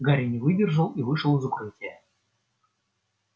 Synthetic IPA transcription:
ɡaɾʲɪnʲɪvɨdʲɪrʐəlˠivɨʂəlˠɨzʊkɾɨtʲɪjə

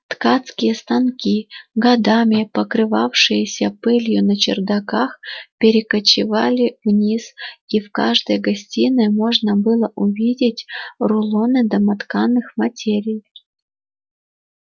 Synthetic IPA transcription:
t̪kat̪skʲɪjəst̪ankʲiɡɐd̪amʲɪpəkɾɨvafʂɨjɪsʲəpɨlʲjʊnət͡ɕɪ̰rd̪akaxpʲɪɾʲɪkət͡ɕɪvalʲɪvnʲisifka̰ʐd̪əjɡɐsʲtʲinɨmo̞ʐnəbɨlˠəʔʊvʲidʲɪtʲrʊlˠonɨd̪ɐmat̪kanːɨxmɐtʲeɾʲij

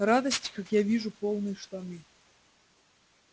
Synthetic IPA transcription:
rad̪əsʲtʲkakjavʲiʐupolˠnɨjʂt̪amʲi

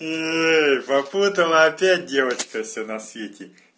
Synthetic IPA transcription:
epɐput̪ɐlˠɐɐpʲæt̚ʲdʲevɐt͡ɕkɐfsʲɛnɐsʲʋʲetʲɪ

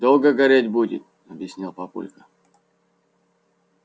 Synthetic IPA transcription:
d̪olˠɡəɡɐɾʲetʲbudʲɪ̰t̪̚ | ɐbʲjɪsʲnʲilˠpɐpṵlʲkə

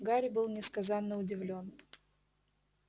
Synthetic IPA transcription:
ɡaɾʲɪbɨlˠnʲɪskɐzanːəʊdʲɪvlʲo̞n

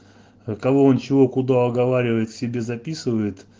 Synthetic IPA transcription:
kɐvo̞ont͡ɕɪvo̞kʊd̪aɐɡɐvaɾʲɪvəjɪt̪sʲɪbʲe̞zɐpʲisɨvəjɪt̪

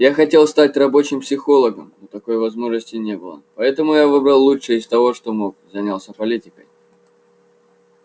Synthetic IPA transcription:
jaxɐtʲe̞lˠst̪atʲrɐbo̞t͡ɕɪmpsʲɪxo̞lˠəɡəmnot̪ɐko̞jvɐzmo̞ʐnəsʲtʲɪnʲe̞bɨlˠə̰pɐɛt̪əmʊjavɨbɾɐlˠːuʂɨɪst̪ɐvo̞ʂt̪o̞mo̞k̚zɐnʲalˠsʲəpɐlʲitʲɪkəj

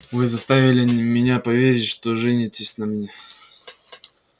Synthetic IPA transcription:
vɨzɐst̪avʲɪlʲɪmʲɪnʲapɐvʲeɾʲɪtʲʂt̪oʐɛnʲɪtʲɪsʲnɐmnʲe

